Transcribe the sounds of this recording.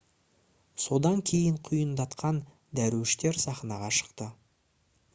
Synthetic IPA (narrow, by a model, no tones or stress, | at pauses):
so̞d̪ɑŋkʲʰe̞jəɴqʰʊjənd̪ɑt̪qɑn | d̪æɾuwɪʃt̪e̞ɾsɑχnɑʁɑʃə̥qt̪ə